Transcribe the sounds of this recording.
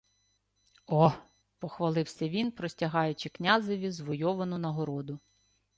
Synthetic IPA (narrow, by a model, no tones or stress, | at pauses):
ɔ | pɔxʋɐlˠɪwsʲɐʋʲinpɾɔsʲtʲɐɦɑjʊt͡ʃɪknʲazɪʋʲizʋɔjɔʋɐnʊnɐɦɔɾɔd̪ʊ